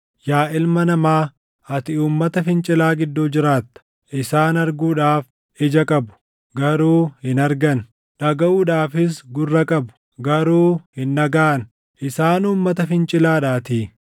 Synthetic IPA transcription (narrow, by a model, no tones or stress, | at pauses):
jaːʔɪlmɐnɐmaː | ɐt̪ɪuːmːɐt̪ɐfɪnt͡ʃʼɪlaːɡɪd̪ːoːd͡ʒɪɾaːt̪ːɐ̥ | ʔɪsaːnɐɾɡuːᶑaːf | ɪd͡ʒɐkʼɐbʊ̥ | ɡɐɾuːhɪnɐɾɡɐn | ᶑɐɡɐuːᶑaːfɪs̬ɡʊrːɐkʼɐbʊ̥ | ɡɐɾuːhɪnːɐɡaːʔn | ʔɪsaːnuːmːɐt̪ɐfɪnt͡ʃʼɪlaːᶑaːt̪iː